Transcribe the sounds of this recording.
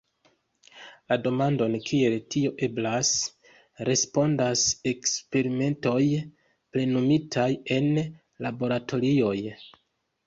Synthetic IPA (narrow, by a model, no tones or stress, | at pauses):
lado̞mando̞nkʰie̞ltio̞ʔe̞blas | ɾe̞spo̞ndase̞kspe̞ɾime̞nto̞j | ple̞numitʰaje̞n | labo̞ɾato̞ɾio̞j